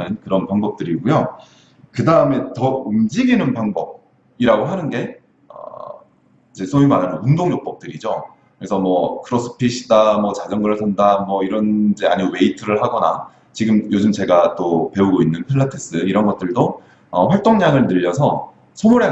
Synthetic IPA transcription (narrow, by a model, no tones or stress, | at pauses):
ɯnkɯɾʌnpaŋbʌp̚t͈ɯɾiɡujo | kɯdaɯme̞tʌumd͡ʑiɡinɯnpaŋbʌb̚ | iɾaɡoɦanɯnɡe̞ | ʌ̰ | id͡ʑe̞sʰojumananɯnundoŋjʌk̚p͈ʌp̚t͈ɯɾid͡ʑo | kɯɾesʰʌmwʌkʰɯɾʌs͈ʰɯ̥pʰiɕʰidamwʌt͡ɕad͡ʑʌŋɡɯɾɯɭsʰandamwʌiɾʌnd͡ʑe̞a̰ɲiowe̞itʰɯɾɯɭhaɡʌna̰ | t͡ɕiɡɯmjod͡ʑumt͡ɕe̞ɡat͈ope̞uɡoinːɯnpʰiɭːatʰis͈ɯiɾʌnɡʌt̚t͈ɯɭdo | ʌɸwaɭt͈oŋɲaŋɯɭnɯʎːʌsʰʌ̰ | sʰomuɾe